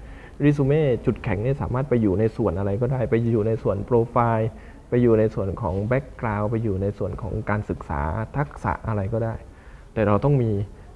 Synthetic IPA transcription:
ɾiː˥˩suː˧meː˥˩t͡ɕu˨˩t̪̚kʰɛ˨˩˦ŋni˥˩˨saː˩˦maː˥˩t̪̚pa˧jːuː˨˩na˧jsu˨˩ənʔa˧ɾa˧jkɔː˥˩daː˥˩jpa˧jːuː˨˩na˧jsu˨˩ənpɾoː˧faː˧j | pa˧jːuː˨˩na˧jsu˨˩ənkʰɔː˩˦ŋbɛ˦˥˩kːɾaː˧wpa˧jːuː˨˩na˧jsu˨˩ənkʰɔ̰ː˩˦ŋkaː˧nsɯ˨˩k̚sa̰ː˩˦t̪ʰa˦˥˩k̚sa̰˨˩˦ʔʔa˧ɾa˧jkɔː˥˩daː˥˩j | t̪ɛː˨˩ɾa˧wt̪ɔ˥˩ŋmiː˧

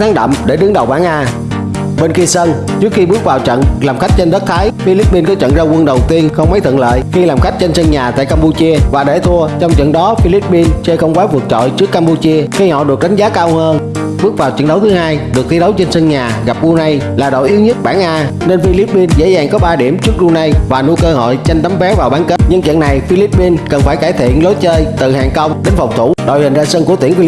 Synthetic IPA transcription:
t̪ʰaː˨˦ŋɗə̰˧˨mɗe˧˩ɗɨ˨˦ŋɗə˨˩wɓaː˧˩ŋʔaː˧ | ɓe˧nki˧sə˧n | t͡ɕɨ˦˥ək̚xi˧ɓɨ˦˥ək̚vaː˨˩wt͡ɕə̰˧˨nlaː˨˩mxa˦˥jk̚t͡ɕe˧nɗə˦˥t̚t̪ʰaː˨˦jfi˧li˦˥p̚ːi˧nkɔ˨˦t͡ɕə̰˧˨nzaː˧kwə˧nɗə˨˩wt̪i˧ənxə˧wŋ͡mma˨˦jt̪ʰə̰˧˨nlə̰ː˧˨jxi˧laː˨˩mxa˦˥jk̟̚t͡ɕe˧nsə˧nɲaː˨˩t̪a̰ː˧˨jkaː˧mpu˧t͡ɕi˧əvaː˨˩ɗḛ˧˩t̪ʰu˧ət͡ɕɔ˧wŋ͡mt͡ɕə̰˧˨nɗɔ˨˦fi˧li˦˥p̚ːi˧nt͡ɕe˧kə˧wŋ͡mkwaː˨˦vɨ˨˩k̚t͡ɕɔ̰˧˨jt͡ɕɨ˦˥əkːaː˧mpu˧t͡ɕi˧əxi˧hɔ̰˧˨ɗɨ˨˩k̚ɗa˨˦jŋ̟zaː˨˦kaː˧whəː˧n | ɓɨ˦˥ək̚vaː˨˩wt͡ɕənɗə˨˦wt̪ʰɨ˨˦haː˧jɗɨ˨˩ək̚t̪ʰi˨˧˦ɗə˨˦wt͡ɕə˧nsə˧nɲaː˨˩ɣa˨˩p̚ɗu˧na˧jlaː˨˩ɗo̰˧˨jʔi˨˦əwɲə˦˥t̚ɓaː˧˩nʔaː˧ | ne˧nfi˧li˦˥p̚ːi˧nzḛ˧˥zaː˨˩ŋkɔ˨˦ɓaː˧ɗi˧˩əmt͡ɕɨ˦˥k̚ɗu˧na˧jvaː˨˩nu˧˦jkəː˧ɦo̰˧˨jt͡ɕa˧jŋ̟t̪a˨˦mvɛ˨˦˥wvaː˨˩wɓaː˨˦nke˦˥t̚ɲɨ˧ŋt͡ɕwḭ˧˨ənːa˨˩jfi˧li˦˥p̚ːi˧nkə˨˩nfaː˧˩jkaː˧˩jt̪ʰi˧˨ənlo˨˦jt͡ɕəː˧jt̪ɨ̰˧˨haː˨˩ŋkə˧wɗe˨˦nfɔ˨˩wk͡p̚t̪ʰu˧˩ɗo̰˧˩jhï˨˩ŋ̟zaː˧sə˧nku˧˩ət̪i˧˩ənfi˧˦

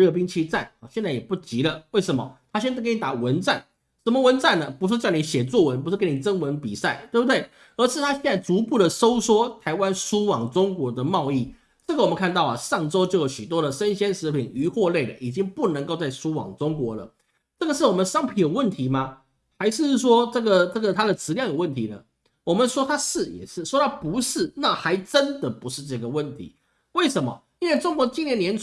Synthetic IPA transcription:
ɻɤ˥˩pi˥ŋt͡ɕʰi˥t͡sa˥˩nɑ˨˩ɕjɛ˥˧nt͡sa˥˩ɪjɛ˨˩pu˥˩t͡ɕi˧˥lə˧we˥˩ɪʂə˧˥nmə̰˧t̪ʰa˥ɕjɛ˥nt͡sa˥˩kni˨˩t̪a˨˩wə˧˦nt͡sa˥˩n | ʂə˧˥mə˧wə˧˥nt͡sa˥˩nːə˩pu˧˥ʂ̬̩˥˧ʈ͡ʂni˧˥ɕjɛ˨˩t͡swɔ˥˩wə˧˦˥npu˧˥ʂ̩˥˩ke˥ni˨˩ʈ͡ʂə˥ŋwə˧˥npi˨˩sa˥˩ɪt̪we˥˩bu˩t̪we˥˩ɪ | ə˞˧˥ʂɻ̩˥˩t̪ʰa˥ɕjɛ˥˧nt͡sa˥˩ɪt͡su˧˥pu˥˩d̪ə˩so˥ʊswɔ˥t̪ʰa˧˥ɪwa˥nʂu˥wɑ˨˩ŋʈ͡ʂʊ˥ŋkwɔ˧˥d̪ə˧mɑ˥˧ʊi˥˩ | ʈ͡ʂə˥˩ɡə˨wɔ˨˩mə˦nkʰa˥˧nt̪ɑ˥˩ʊɐ̰˨˩ʂɑ˥˩ŋʈ͡ʂo˥ʊt͡ɕjo˥˩ʊjo˧˥ʊɕy˨˩t̪wɔ˥ɾə˨ʂə˦nɕjɛ˥nʂɻ̩˧˥pʰi˨˩ŋy˧˥xwɔ˥˧le˥˩ɪlə̰˩ʔi˨˩t͡ɕi˥ŋpu˥˩nə˧˥ŋko˥˧ʊt͡sa˥˩ɪʂu˥wɑ̰˨˩ŋʈ͡ʂʊ˥ŋkwɔ˧˥lə̰˨ | ʈ͡ʂɤ˥˩ɡə˩ʂɻ̩˥˩wɔ˨˩mə˧˦nʂɑ˥ŋpʰi˨˩jə˨˩wə˥˩nt̪ʰi˨˥ma˧ | xa˧˥ɪʂɻ̩˥˧˥ʂ̬wɔ˥ʈ͡ʂɤ˥˩ɡə˨ʈ͡ʂɤ˥˩ɡə˩t̪ʰa˥d̪ə˨t͡sʰɻ̩˧˥ljɑ˥˩ŋjo˨˩wə˥˩nt̪ʰi˨˧˥lə̰˨ | wɔ˨˩mə˨˦nʂwɔ˥t̪ʰa˥ʂɻ̩˥˩jɛ̰˨˩ʂɻ̩˥˩ʂwɔ˥t̪ɑ˥˧pu˧˥ʂɻ̩˥˩na˥˩xa˧˥ɪʈ͡ʂə˦˥nd̪ə˨pu˧˥ʂɻ̩˥˧ʈ͡ʂɤ˥˩ɡə˨wə˥˨˩nt̪ʰḭ˧˥˦ | we˥˩ɪʂə˧˥nmə̰˨ | i˥nwe˥˩ɪʈ͡ʂʊ˥ŋkwɔ˧˥t͡ɕi˥˧njɛ˥˩nːjɛ˧˥n

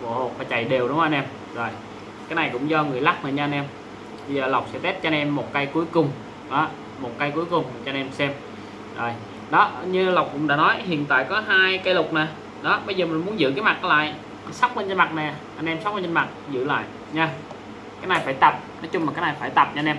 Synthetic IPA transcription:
vo̰˧˩ho˨˩k̚vaː˨˩t͡ɕa̰˨˩jɗe˨˩wɗʊ˨˦wʔa˧nʔɛ˧m | zo˨˩j | kaː˨˦jna˨˩jkʊ̰˧˥ŋ͡mzɔ˧ŋɨ˨˩əjla˦˥k̚na̰ː˨˩ɲa˧a˧nʔɛ˧m | ɓə˧zəː˨˩la˨˩wk͡p̚sɛ̰˧˥t̪e˦˥t̚t͡ɕɔ˧nʔɛ˧mːo˨˩t̚ka˧jku˨˦jkʊ˨˩ŋ͡m | ɗɔ˨˦ | mo˨˩t̚ka˧jku˨˦jkʊ˨˩ŋ͡mt͡ɕɔ˧nʔɛ˧msɛ˧m | zo˨˩j | ɗɔ˨˦ɲɨ˧la˨˩wk͡p̚kʊ̰˧˥ŋ͡mɗa̰ː˧˥nɔ˨˦jhḭ˧˨ənt̪a̰ː˧˨jkɔ˨˦ɦaː˧jka˧jlʊ˨˩k͡p̚na˨˩ | ɗɔ˨˦ɓə˧jzəː˨˩mï˨˩nmu˨˦ənzɨ̰˧˥k̬aː˨˦jma˨˩ka˨˦la̰ː˧˨j | sa˦˥k͡p̚mə˧nt͡ɕə˧nma˨˩t̚nɛ˨˩ʔa˧nʔɛ˧msa˦˥wk͡p̚ə˧nt͡ɕə˧nma˨˩t̚zɨ̰˧˥la̰ː˧˨j | ɲaː˧ | kaː˨˦jna˨˩jfaː˧˩jt̪ə˨˩p̚nɔ˨˦jt͡ɕʊ˧ŋ͡mma˨˩kaː˦k̚na˨˩jfaː˧˩jt̪ə˨˩p̚t͡ɕɲ˧nʔɛ˧m

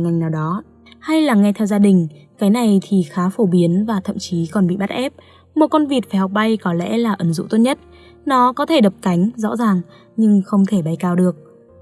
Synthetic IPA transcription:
ŋa˨˩jŋ̟naː˨˩wɗɔ˨˦ | ha˧jlaː˨˩ŋɛ˧t̪ʰɛ˧wzaː˧ɗï˨˩ŋ̟kaː˨˦jna˨˩jt̪ʰi˨˩xaː˨˦fo˧˩ɓi˨˦ənvaː˨˩t̪ʰə̰˧˨mt͡ɕi˨˦kɔ˨˩nɓḭ˧˨ɓa˦˥t̚ʔɛ˦˥p̚ | mo˨˩t̚kɔ˧nvi˨˩ət̚faː˨˩hɔ˨˩k͡p̚ɓa˧jkɔ˨˦lɛ̰˧˥laː˨˩ʔə˨˦nzṵ˧˨t̪o˦˧˥t̚ɲə˦˥t̚ | nɔ˨˦kɔ˨˦t̪ʰe˧˩ɗə˨˩p̚ka˨˦jŋ̟zɔ̰˧˥zaː˨˩ŋ | ɲɨ˧ŋxə˧wŋ͡mt̪ʰe˧˩ɓa˧jkaː˧wɗɨ˨˩ək̚

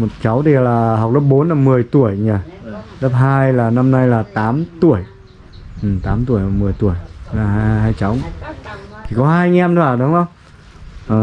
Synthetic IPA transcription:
mo˨˩t̚t͡ɕa˨˦wt̪ʰi˨˩˨laː˨˩ɦa˨˩wk͡p̚lə˦˥p̚ɓo˨˦nlaː˨˩mɨ˨˩əjt̪u˧˩əjɲaː˧˩lə˦˥p̚ɦaː˧jlaː˨˩na˧mna˧jlaː˨˩t̪aː˨˦mt̪ṵ˧˨əj | ʔɨ˨˩t̪aː˨˦mt̪u˧˨əjaː˨˩mɨ˨˩əjt̪u˧˩əjlaː˨˩ɦɦaː˧jt͡ɕa˨˦w | t̪ʰi˧˩kɔ˨˦ɦaː˧jŋɛ˧mt̪o˧aː˨˩ɗʊ˨˦wʔə˧wŋ͡m | ʔəː˨˩

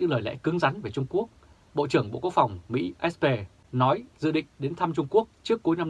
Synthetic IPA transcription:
ɲɨ̰˧˥ŋləː˨˩jlɛ̰˧˥kɨ˨˦ŋza˨˦jnve˨˩t͡ɕʊ˧ŋ͡mku˦˥ək̚ | ɓo̰˧˨t͡ɕɨ˧˩əŋɓo̰˧˨ku˦˥ək̚fa˨˩wŋ͡mmḭ˧˥ʔɛ˦˥spe˧ | nɔ˨˦jzɨ̰˧˨ɗḭ̈˧˨ŋ̟ɗe˨˦nt̪ʰa˧mt͡ɕʊ˧ŋ͡mku˦˥ək̚t͡ɕɨ˦˥əkːu˨˦jna˧m

